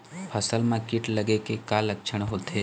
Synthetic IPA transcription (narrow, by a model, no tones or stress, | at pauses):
pʰɐsəlmãkɪʈlɐɡekekalɐkʃʰəɽ̃ɦoːt̪ʰe